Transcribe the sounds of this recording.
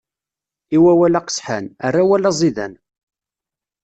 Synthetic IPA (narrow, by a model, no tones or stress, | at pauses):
iwæwælæqə̥sħa̰nərːawælæzˤiðæ̰n